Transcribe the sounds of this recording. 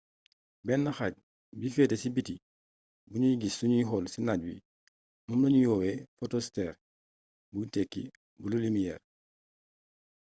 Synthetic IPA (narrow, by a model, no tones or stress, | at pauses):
bɛnːaxaɟ̚ | bifeːtesibiti | buɲujiɡisːuɲuɦɔlsinaɟwḭ | mumlaɲujɔːwefotosteːɾ | butekːḭ | bululimijɛ̰ːr